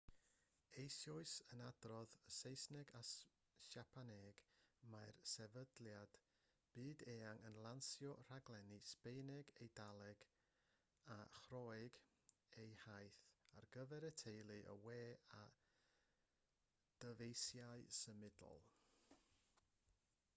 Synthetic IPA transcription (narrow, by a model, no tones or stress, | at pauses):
ejsjɔɨsənad̥rɔðəsejsnɛɡas | ʃapʰanɛɡ̥maɨrsɛvədlˠjad̥ | b̥ɨːdeːaŋənlˠansjɔr̥aɡlˠɛnispejnɛɡejdalˠɛɡ̥ | aχrɔjɨɡ | ejhajθa̰rɡəvɛɾətʰejlˠɨʔə̰weːa | d̥əvejsjaɨsəmɪdɔ̰lˠ